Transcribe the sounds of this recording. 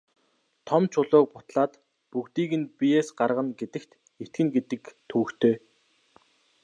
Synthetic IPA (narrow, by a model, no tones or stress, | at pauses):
t̪ʰɔmt͡ɕʰʊɮʊːk̚pʊt̪ɮaːt̪ | pukt̪iːɣɘ̆npijeːsɢarʁə̆nɡet̪ɘ̆kt̪ | et̪̚ɡɘ̆ŋɡet̪ɘ̆kt̪ʰuːkt̪ʰeː